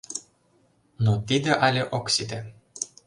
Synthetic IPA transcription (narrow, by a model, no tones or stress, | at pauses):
not̪id̪eʔalʲeʔoksʲid̪e